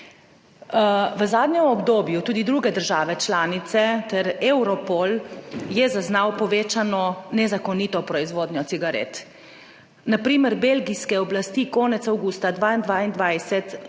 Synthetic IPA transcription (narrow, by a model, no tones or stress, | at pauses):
ʋəzaːd̪ɲɛmɔbd̪oːbjut̪uːd̪id̪ɾuːɡɛd̪əɾʒaːʋɛt͡ʃlaːnit̪sɛt̪ɛɾewɾɔpoljɛzaznawpɔʋeːt͡ʃanɔnɛzakɔnit̪ɔpɾɔizʋoːd̪njɔt̪iɡaɾḛt̪ | napɾiːməɾbelɡiskɛɔblast̪ikoːnɛt̪sawɡuːst̪ad̪ʋaːind̪ʋaːind̪ʋajsɛt̪